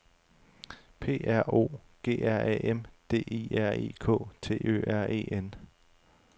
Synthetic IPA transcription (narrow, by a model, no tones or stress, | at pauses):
pʰe̝̰ːæɐ̰o̝̰ːɡ̥e̝̰ːæɐ̰ʔɛʔemd̥e̝̰ːiːæɐ̰e̝̰ːkʰɔ̰̽ːt͡sʰe̝̰ːø̰ʔæɐ̰e̝̰ːʔen